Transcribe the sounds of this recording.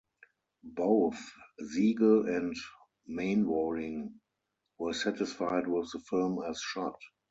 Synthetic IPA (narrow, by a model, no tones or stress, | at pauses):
boʊθziːɡəlɛ̃nt | mẽɪ̃nwɔɹɪ̃ŋ | wɜ˞sætɪsfaɪdwɪθðəfɪlmæsʃɔt